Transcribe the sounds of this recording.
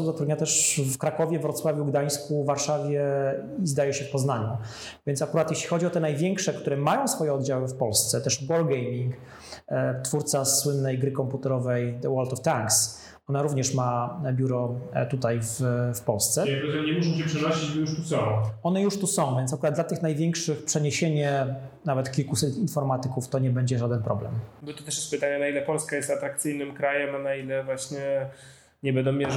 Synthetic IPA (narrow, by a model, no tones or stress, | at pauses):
d̪ɔt̪ɾud̪ɲat̪ɛʂfkɾakɔvʲjɛvɾɔt̪swavʲuɡd̪aj̃skuvːaɾʂavʲjɛizd̪ajɛɕɛpɔznaɲu | vʲjɛntsakuɾat̪jeɕlʲixɔd͡ʑiɔt̪ɛnajvʲjɛŋkʂɛkt̪uɾɛmajɔ̃w̃sfɔjɛɔd̪d͡ʑawɘfpɔlst̪sɛt̪ɛʂbɔɾɡɛjmʲiŋk | t̪fuɾt̪saswɘnːɛjɡɾɘkɔmput̪ɛɾɔvɛjd̪ɛwɔlt̪ɔft̪aŋks | ɔnaɾuvɲɛʂmabʲjuɾɔt̪ut̪ajvfpɔlst̪sɛkɾɔt̪ɛɲɛmuʂɔ̃ɕɛpʂɛnɔɕit͡ɕbɔjuʂt̪usɔ̃w̃ɔnɛjuʂt̪usɔ̃w̃vʲjɛnt̪akuɾad̪̚d̪lat̪ɘxnajvʲjɛŋkʂɘxpʂɛɲeɕeɲɛnavɛt̪kʲilkusɛt̪infɔɾmat̪ɘkuft̪ɔɲɛbɛɲd͡ʑɛʐad̪ɛnpɾʔɔblɛ̰mbɔt̪ɔt̪ɛʂjɛst̪pɨt̪aɲɛnailɛpɔlskajɛst̪at̪ɾak̚t̪sɘjnɘmkɾajɛmanailɛvwaɕɲɛ | ɲɛbɛnd̪ɔmʲːjɛ